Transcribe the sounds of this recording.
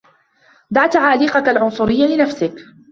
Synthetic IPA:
d̪aʕt̪aʕaːliːqakalʕʊnsˤʊɾɪjːalɪnafsɪk

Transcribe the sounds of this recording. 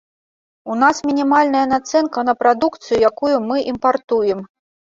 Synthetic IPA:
unasmʲinʲimalʲnɐjɐnat̪sɛnkɐnɐpɾad̪ukt̪sɨjujakujumɨʔimpart̪ujɛm

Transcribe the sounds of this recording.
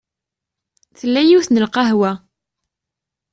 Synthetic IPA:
θəlːæjiwθnəlqɑɦwæ

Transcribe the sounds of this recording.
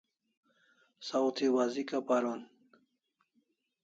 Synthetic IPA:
sawt̪ʰiwazikapaɾon

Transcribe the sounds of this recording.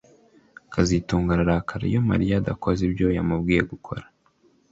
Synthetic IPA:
kʰazituːŋɡaɾaɾakʰaɾa̰ijoma̰ɾijadakʰozibjo̞jamubɡiːje̞ɡukʰo̞̰ɾḁ

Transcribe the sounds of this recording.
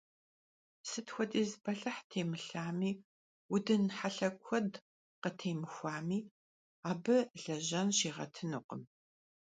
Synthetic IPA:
sɨtxʷɔdʼiːzbɐɬɐħtʰeːmɨɬaːmiː | wʊdɨnħaɬɐkʷʰɔd | qətʰeːmɨxʷaːmiː | aːbɨɮɐʑɐnɕiːʁɐ̰tʰɨnɨqʷəm

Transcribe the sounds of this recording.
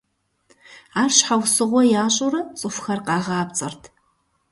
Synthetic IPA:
aːrɕħawsɨʁʷɔjaːɕʼʊrɨt͡sʼɨfxɐrqɑːʁaːp̚t͡sʼɐ̰rtʰ

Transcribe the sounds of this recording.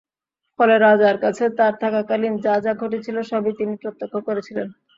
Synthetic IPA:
fɔleɾad͡ʑaɾkat͡ɕʰet̪aɾt̪ʰakakalind͡ʑad͡ʑaɡʱoʈet͡ɕʰiloʃɔbit̪inipɾot̪ːokʰːokoɾet͡ɕʰilen

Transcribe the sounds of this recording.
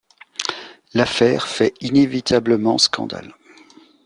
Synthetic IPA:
lafɛːʁfɛinevit̪ʰabləmɑ̃skɑ̰̃d̪a̰l

